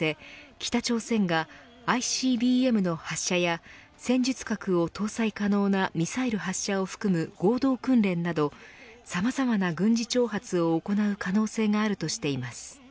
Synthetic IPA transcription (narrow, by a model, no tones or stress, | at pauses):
e̞kʲi̥t̪at͡ɕo̞ːsẽ̞ŋɡaː | iɕiːbʲiːe̞mɯ̟no̞haɕːaja | sẽ̞ɲ̟d͡ʑɨt͡sɨ̥kakɯ̟o̞t̪o̞ːsaikano̞ːnamʲisaiɾɯ̟ɦaɕːao̞ɸɯ̟̥kɯ̟mɯ̟ɡ̥o̞ːd̪o̞ːkɯ̟̃nɾẽ̞nːad̪o̞samazamanaɡɯ̟̃ɲ̟d͡ʑit͡ɕo̞ːɦat͡sɨo̞ːko̞naɯ̟kano̞ːse̞ːŋaːɾɯ̟t̪o̞ɕi̥t̪e̞imasɨ̥